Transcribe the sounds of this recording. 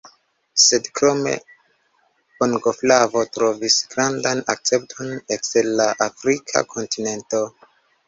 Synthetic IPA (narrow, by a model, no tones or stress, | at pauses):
se̞dkɾo̞me̞̰ | poŋɡoflavo̞tɾo̞visɡ̥ɾandanak̚t͡se̞p̚tʰo̞nekselːaʔafɾikʰa̰kʰo̞ntine̞nto̞